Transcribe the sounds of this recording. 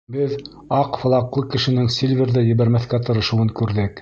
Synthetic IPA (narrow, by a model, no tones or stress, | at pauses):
bɘð | ɑqfɤ̆lˠɑqlˠɤkɘ̆ʃɘ̆nɘŋsʲilʲvʲĕɾðæjɘ̆βæɾmæθkæt̪ɤ̆ɾɤ̆ʃɤ̆wɤŋkʉɾðɘk